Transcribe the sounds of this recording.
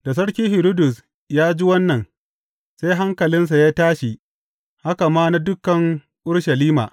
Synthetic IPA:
da˨s̬ɐ˦ɽkʲiː˦hɪ˨ɾo˦dʊ˨s | jaː˦d͡ʒi˦wɐ˦nːɐ˨n | se˦jɦa˦ŋkɐ˨lɪ˦ns̬a˨jaː˦taː˦ʃi˨ | ha˦ka˨maː˦na˦dʊ˦kɐ˨ŋ | ʔʊ˦ɽʃɐ˨liː˦ma̰ː˨

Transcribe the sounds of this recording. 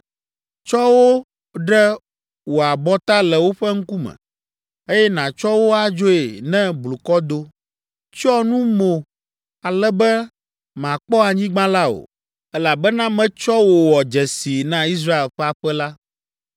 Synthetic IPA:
t͡ʃɔ˦wo˦ | ɖɛ˦ | wo˨a˨bɔ˦t̪a˦lɛ˨wo˦ɸɛ˦ŋ̩˦ku˦mɛ̰̃˨ | e˦jɛ˦nã˨t͡ʃɔ˦wo˦a˨d͡ʒo˦e˨nɛ̃˦blu˨kɔ˦d̪o˦ | t͡ʃɔ˦nũ˦mo˨ | a˨lɛ˦bɛ˦ | mã˨k͡pɔ˦a˨ɲĩ˦ɡ͡bã˦la˦o̰˨ | ɛ˦la˨bɛ˦nã˦mɛ̃˦t͡ʃɔ˦wo˨wɔ˨d͡ʒɛ˨si˨nã˦i˦s̬ɾa˦e˨lɸɛ˦a˨ɸɛ˦la˦

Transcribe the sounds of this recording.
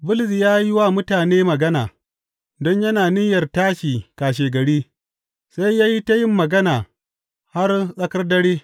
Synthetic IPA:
bʊ˦lsi˨jaː˦ji˦wa˦mʊ˦taː˨neː˦mɐ˨ɡɐ˦naː˨ | dɔ˦ɲjɐ˦naː˨nɪ˦jɐ˨rtaː˦ʃiː˨kaː˨ʃ̬eː˨ɡɐ˨ɽiː˦ | sa˦jjaː˦ji˦ta˦jɪ˦mːɐ˨ɡɐ˦naː˨ | ha˦rsʼɐ˦kɐ˦rdɐ˦ɽiː˦

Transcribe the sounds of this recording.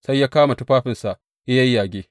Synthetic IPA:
sa˦jːaː˦kaː˦ma˨tʊ˦ɸaː˦ɸɪ˨nsa˨ʔ | ʔɪ˦jɐ˦jːaː˨ɡʲeː˦

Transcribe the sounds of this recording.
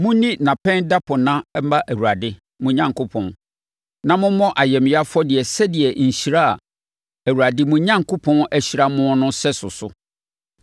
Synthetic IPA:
mʊ̃˦nĩ˦nã˨pʰɛ̃˦nda˦pʰɔ˨nã˦m̩˦ba˦ʔæ˨wu˨ɾa˨dɪ˦ | mʊ̃˨ɲã˦ŋkʰo˦pʰɔ̃˨n | nã˦˨mʊ̃˦mɔ̃˦ʔa˨jɛ˨m˨ja˦fɔ˦dɪ˨ɛ˨sɛ˦dɪ˨ɛ˨ɲ̩˨ɕi˨ɾa˦a˨ | æ˨wu˨ɾa˨dɪ˦mʊ̃˨˦ɲã˦ŋkʰo˦pʰɔ̃˦næ˦ɕi˨ɾa˦mʊ̃˦nʊ̃˦sɛ˦sʊ˨sʊ˨

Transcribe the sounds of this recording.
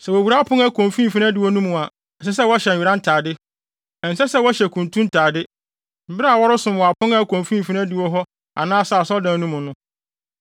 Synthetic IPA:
sɛ˨wo˨wu˨ɾa˦pʰʊ̃˦ŋa˦kʰõ˨m˨fĩ˦˨fi˦nã˦dɪ˨wɔ˦nũ˦mũ˨a˨ | sɛ˦s̬ɛ˦wɔ˦ɕɛ˨ɥi˨ɾã˦n̩˦tʰaː˨dɪ˦ | ɛ˨n̩˨sɛ˦sɛ˦wɔ˦ɕɛ˨kʰũ˨ntʰũ˦n̩˦tʰaː˨dɪ˦ | m̩˨bɪ˦ɾa˦a˨wɔ˦ɾʊ˦sʊ̃˨m˨wɔ˨a˨pʰʊ̃˦ŋa˦kʰõ˨mfĩ˦m̩˨fi˦ã˦dɪ˨wɔ˦ɦɔ˦ | a̰˨nãː˦sa˨sɔ˦dãː˨nũ˦mʊ̃˨nʊ̃˦

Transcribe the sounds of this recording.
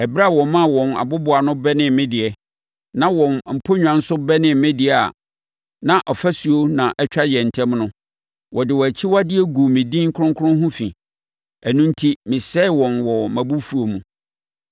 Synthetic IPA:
ɛ˨bɾa˦˨wɔ̃˨mã˦˨wɔ̃˨na̰˨bʊ˦bʊ˨a˨nʊ̃˦bɛ˦nɪ̃˨mmɪ̃˦dɪ˨ɛ˨ | nã˦wɔ̃˨nm̩˨pʰo˦ɲᶣ˨ã˨n̩˦sʊ˦bɛ˦nɪ̃˨m˨mɪ̃˦dɪ˨ɛ˨a̰˨ | nã˨ʔɔ˨fæ˦su˨o˦nã˨ʔɛ˦t͡ɕᶣa˦jɛ˨n̩˨tʰɛ̃˦mnʊ̃˦ | wʔɔ˨dɪ˨wɔ˨æ˨t͡ɕʰi˦wa˦dɪ˦ɛ˦ɡu˨mɪ̃˨dĩ˦ŋ̩˦kʰʊ˦ʊ̃˦ŋkʰʊ˦ʊ̃˦ɦʊ̃˦fḭ̃˨ | æ˨nũ˦n̩˦tʰi˦mɪ̃˨sɛ˦˨wɔ̃˨nwɔ˨mæ̃˨bu˦fu˨o˨mũ˨

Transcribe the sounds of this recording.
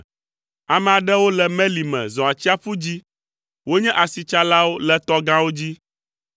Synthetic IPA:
a˨mɛ̃˨a˨ɖɛ˦wo˦lɛ˨mɛ̃˦li˨mɛ̰̃˨zɔ̃˨a˨t͡ɕi˦a˦ɸu˦d͡ʑi˦ | wo˦ɲɛ̃˦ʔa˨si˨t͡ʃa˦la˦wo˦lɛ˦t̪ɔ˦ɡã˦wo˦d͡ʑi˦

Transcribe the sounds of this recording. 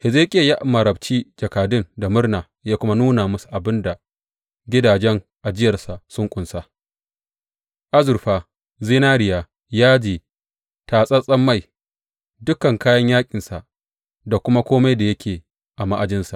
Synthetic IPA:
hɪ˨ze˦kʲʼɪ˦jɐ˦ja˦ʔmɐ˨ɾɐ˨bt͡ʃiː˦d͡ʒɐ˨kaː˨dɪ˦nda˨mʊ˦rnaː˨ | jaː˦kʷʊ˦ma˦nuː˦na˨mʊ˦su̥˨ʔa˨bɪ˦nda˨ | ɡʲɪ˦daː˨d͡ʒɛ˦ŋ | ʔa˨d͡ʒɪ˦jɐ˨rsa˨sʊ˦ŋkʷʼʊ˨nsa˦ | ʔa˦zʊ˨ɾɸaː˨ | ziː˦naː˦ɾɪ˨jaː˨ | jaː˦d͡ʒiː˨ | taː˨sʼɐ˦sʼɐ˦mːa˦˨j | dʊ˦kɐ˨ŋkaː˦jɐ˦ɲjaː˦kʲʼɪ˨nsa˨ʔ | da˨kʷʊ˦ma˦kʷoː˦ma˦jda˨jɐ˦kʲʰeː˨ | ʔa˨ma˦ʔa˨d͡ʒɪ˦nsa˨ʔ

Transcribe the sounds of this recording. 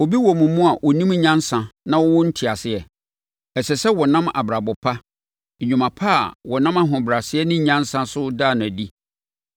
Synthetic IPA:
wo˨bi˦wɔ˨mʊ̃˨mũ˦a˨ʔɔ˨nĩ˦m˦ɲã˦n˦sã˨nã˦wɔ˦wʊ˦n̩˦tʰɪ˨a˨sɪ˦ɛ˨ | ɛ˨sɛ˨sɛ˦wɔ˨nã˦ma̰˨bɾa˨bʊ˨pʰa˦˨ | ɲᶣũ˨mã˨pʰa˦a̰˨wɔ˨nã˦ma˦ɦʊ̃˨bɾa˨sɪ˦ɛ˦nɪ̃˦ɲã˦n˦sã˦sʊ˦daː˦˨nʊ̃˨æ˨di˦

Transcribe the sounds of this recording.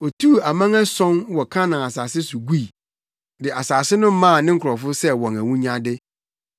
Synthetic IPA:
ɔ˨tʰu˦˨a˨mã˦ŋæ˦sɔ̃˦nwɔ˨kʰã˦nã˨a˨saː˨sɪ˦sʊ˨ɡu˦i˨ | dɪ˨a˨saː˨sɪ˦nʊ̃˦m˦mã˦˨nɪ̃˦ŋ̩˦kʰʊ˨ɾɔ˨fʊ˦sɛ˦wɔ̃˨ŋæ˨wũ˦ɲã˦dɪ˦

